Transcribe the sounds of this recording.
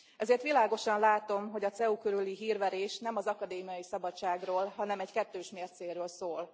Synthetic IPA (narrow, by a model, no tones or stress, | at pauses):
ɛzeːrt̪ʋilaːɡo̞ʃɒnlaːt̪o̞mɦo̞ɟɒt̪sɛukøɾyliɦiːrʋɛɾeːʃnɛmɒzɒkɒd̪eːmijɒjisɒbɒt͡ʃːaːɡroːlɦɒnɛmɛckɛt̪ːøːʃmeːrt̪seːrɾøːlsoːl